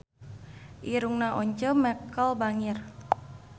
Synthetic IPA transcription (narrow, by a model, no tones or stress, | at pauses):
ʔiɾuŋnaʔɔɲt͡ʃəmɛkɔlbaŋir